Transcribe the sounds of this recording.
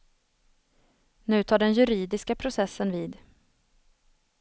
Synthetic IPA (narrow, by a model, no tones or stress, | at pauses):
nʉ̟ːt̪ʰɑːɖɛnjɵɾiːd̪ɪskapʰɾʊsɛsːənviːd̪